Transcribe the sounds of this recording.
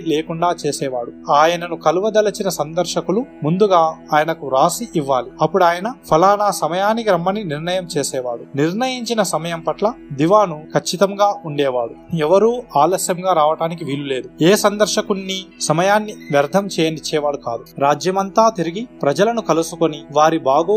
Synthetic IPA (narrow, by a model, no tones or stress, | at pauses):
leːkuɳɖaːt͡ʃeːsɛːʋaːɽuaːjɐnɐnukɐluʋɐd̪ɐlɐt͡ʃinɐsɐnd̪ɐɾʃɐkulumund̪uɡaːaːjɐnɐkuɾaːsiʔiʋːaːliɐpːuɽaːjɐnɐpʰɐlaːnaːsɐmɐjaːnikiɾɐmːɐniniɾnɐjɐmt͡ʃeːsɛːʋaːɽuniɾnɐjiɲt͡ʃinɐsɐmɐjɐmpɐʈlɐd̪iʋaːnukʰɐt͡ʃːit̪ɐmɡaːuɳɖɛːʋaːɽuɛʋɐɾuːaːlɐsjɐmɡaːɾaːʋɐʈaːnikiʋiːlule̞ːd̪ueːsɐnd̪ɐɾʃɐkunːisɐmɐjaːnːiʋjɐɾd̪ʱɐmt͡ʃɛːjɐnit͡ʃːɛːʋaːɽuka̰ːd̪uɾaːd͡ʒjɐmɐnt̪aːt̪iɾiɡipɾɐd͡ʒɐlɐnukɐlusukoniʋaːɾibaːɡoː